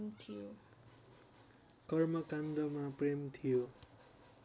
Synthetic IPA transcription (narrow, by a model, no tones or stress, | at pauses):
mt̪ʰijo | kʌrmʌkand̪ʌmapremt̪ʰijo